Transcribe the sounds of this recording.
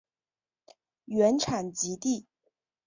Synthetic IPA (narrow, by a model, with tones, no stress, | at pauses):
ɥɛ˧˥nʈ͡ʂʰa˨˩nt͡ɕi˧˥t̪i˥˩